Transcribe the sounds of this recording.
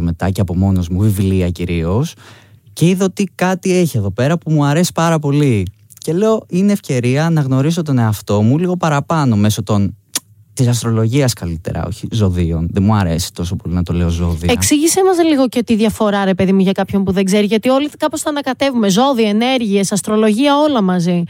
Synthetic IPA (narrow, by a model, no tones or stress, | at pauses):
me̞t̪ɐ̰ceɐpo̞mo̞no̞zmuvivliɐciɾio̞sce̞iðoot̪ikɐt̪ie̞çie̞ðo̞pe̞ɾɐpumuɐɾe̞si̥pɐɾɐpo̞li | ce̞le̞o̞ineːfce̞ɾiɐnɐɣno̞ɾis̬o̞t̪o̞ne̞ɐft̪o̞muliɣo̞pɐɾɐpɐno̞me̞so̞t̪o̞n | t̪isɐs̬t̪ɾo̞lo̞ʝiɐskɐlit̪e̞̰ɾɐ̰o̞̰çizo̞ðio̞̰nðemuɐɾe̞̰si̥t̪o̞so̞po̞linɐt̪o̞le̞o̞zo̞̰ðḭɐeksiʝisemɐzliɣo̞cet̪iðʝɐfo̞ɾɐɾe̞pe̞ðimuʝɐkɐpço̞mpuðe̞ɡze̞ɾiʝɐt̪io̞likɐpost̪ɐːnɐkɐt̪e̞vume̞zo̞ðiɐene̞ɾʝiesɐst̪ɾo̞lo̞ʝiɐo̞lɐmɐzi